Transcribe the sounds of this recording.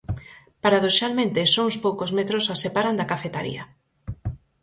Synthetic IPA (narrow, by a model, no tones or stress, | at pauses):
paɾaðoʃalmẽnt̪esoŋspowkozmet̪ɾosasepaɾand̪akafet̪aɾḭɐ